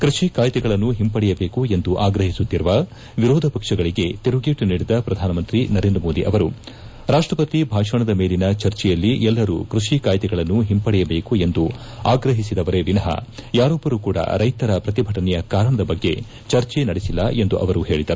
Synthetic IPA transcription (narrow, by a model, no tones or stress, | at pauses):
kɾuʂikaːjt̪ɛɡɐɭɐnːuɦimpɐɽɛjɐbe̞ːkue̞nd̪uʔaːɡɾɐɦisut̪ːiɾuʋɐ | ʋiɾɔːd̪ʱɐpɐkʂɐɡɐɭiɡe̞t̪iɾuɡeːʈuniːɽid̪ɐpɾɐd̪ʱaːnɐmɐnt̪ɾinɐɾe̞ːnd̪ɾɐmo̞ːd̪iʔɐʋɐɾu | ɾaːʂʈɾɐpɐt̪ibʱaːʂɐɳɐd̪ɐme̞ːlinɐt͡ʃɐɾt͡ʃɛjɐlːiɛlːɐɾṵkɾuʂikaːjt̪ɛɡɐɭɐnːuɦimpɐɽɛjɐbe̞ːkue̞nd̪u | aːɡɾɐɦisid̪ɐʋɐɾe̞ʋinɐɦɐ̰jaːɾɔbːɐɾukuːɽɐ̰ɾɐjt̪ɐɾɐpɾɐt̪ibʱɐʈɐnɛjɐkaːɾɐɳɐd̪ɐbɐɡːe̞̰ | t͡ʃɐɾt͡ʃenɐɽesilːɐe̞nd̪uʔɐ̰ʋɐɾuɦe̞ːɭid̪ɐɾuu